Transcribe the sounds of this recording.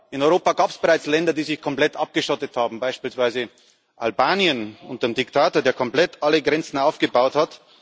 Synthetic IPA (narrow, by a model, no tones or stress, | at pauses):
ʔɪnɔʏʁoːpaɡaːpsb̥eʁaɪt͡slɛndɐdiːzɪçkʰɔmplɛtʔap̚ɡ̥əʃɔtəthaːbm̩baɪʃpiːlsv̥aɪzə | ʔa̰lbaːnjənʊnt̚d̥eːmdɪktʰaːtoːɐdeːɐkʰɔmplɛtʔaləɡʁɛnt͡sn̩aʊfɡ̥əbaʊthat